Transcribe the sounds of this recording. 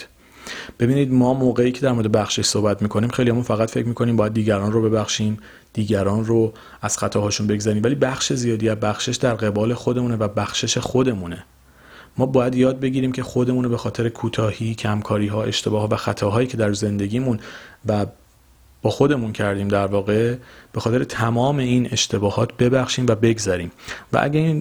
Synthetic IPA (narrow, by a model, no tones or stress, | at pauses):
b̥e̞biːniːd̪mɒːmoːɣeiːcʰe̞d̪æɾmo̞ɾed̪bæxʃe̞ʃsohbæt̪miːkʰo̞niːmxejlihæmunfæɣæt̪fecʰmiːkʰo̞niːmbɒːjæd̪̚ːiːɟæɾɒːnrobe̞bæxʃiːm | d̪̥iːɟæɾɒːnro | æz̥xæt̪ʰɒːhɒːʃunbe̞ɡzæɾiːmvæliːbæxʃe̞zijɒːd̪iæzbæxʃe̞ʃd̪æɾɣe̞bɒːle̞xo̞d̪e̞muːnevæbæxʃe̞ʃe̞xo̞d̪e̞mune | mɒːbɒːjæd̪jɒːd̪̚be̞ɟiːɾiːmcʰe̞xo̞d̪e̞muːnobe̞xɒːt̪ʰe̞ɾe̞kʰuːt̪ʰɒːhiːcʰæmkʰɒːɾiːɦɒːe̞ʃt̪ʰe̞bɒːhɒːvæxæt̪ʰɒːɦɒːjiːcʰe̞d̪æɾze̞nd̪e̞ɟʲiːmunvæ | b̥ɒːxo̞d̪e̞muncʰæɾd̪iːmd̪æɾvɒːɣe̞b̥e̞xɒːt̪e̞ɾet̪ʰæmɒːme̞ine̞ʃt̪ʰebɒːhɒːt̪ʰbe̞bæxʃiːmvæbe̞ɡzæɾiːmvæ̰ʔæ̰ɟæin